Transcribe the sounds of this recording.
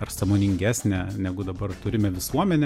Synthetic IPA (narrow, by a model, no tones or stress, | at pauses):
ɐrsɑmoːnʲɪŋʲɡʲæːsʲnʲɛnʲæɡʊd̪ɐbɐrt̪ʊɾʲɪmʲɛʋʲɪsuɔmʲɛnʲɛ